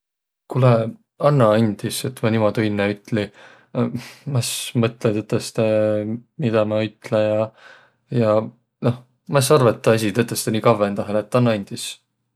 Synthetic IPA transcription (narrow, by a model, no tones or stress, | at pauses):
kule | ɑnːɑɑnʲd̪̥ise̞t̪ːmɑnimod̪uinːeyt̪ːˑli | mɑsmɤt̪ˑlet̪et̪ːˑest̪emid̪̥ɑmɑyt̪ːˑlejɑ | jɑ | no̞h | mɑsɑrvɑt̪ːɑɑs̬ʲit̪et̪ːˑest̪eniːkɑvːent̪ɑɦelet̪ːɑnːɑɑnʲd̪̥is